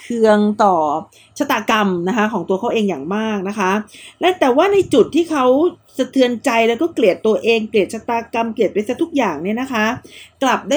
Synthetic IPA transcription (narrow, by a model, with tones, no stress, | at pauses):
kʰɯ˧əŋt̪ɔː˨˩ | t͡ɕʰa˦˥t̪ːaː˧ka˧mna˦˥kʰa˦˥kʰɔː˩˦ŋt̪u˧kʰa˦˥wʔeː˧ŋjaː˨˩ŋmaː˥˩k̚na˦˥kʰa˦˥lɛ˦˥t̪ɛː˨˩waː˥˩na˧jt͡ɕu˨˩t̪ʰːiː˥˩kʰa˦˥w | sa˧t̪ʰɯ˧ənt͡ɕa˧jlɛ˦˥wkɔː˥˩kli˨˩ət̪ːu˧ɐʔeː˧ŋkli˨˩t̪̚t͡ɕa˦˥t̪ːaː˧ka˧mkli˨˩t̪̚pa˧jsaː˦˥t̪ʰu˦˥k̚jaː˨˩ŋni˥˩ɐna˦˥kʰa˦˥kla˨˩p̚daː˥˩